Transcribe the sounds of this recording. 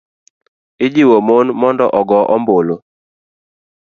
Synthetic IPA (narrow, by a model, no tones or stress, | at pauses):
ɪd͡ʒiwomonmɔndɔ̰ʔɔɡɔʔɔmbolo